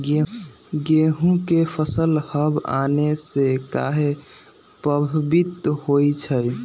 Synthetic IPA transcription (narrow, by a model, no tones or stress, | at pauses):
ɡe | ɡeɦũkepʰəsəlhəba̰nesekaɦe | pəbʱbit̪hojt͡ʃʰəj